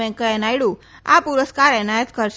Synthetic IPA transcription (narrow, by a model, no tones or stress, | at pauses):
ɛ̃kəɛnajɽũ | a̰puɾəskaɾɛnajət̪kəɾʃ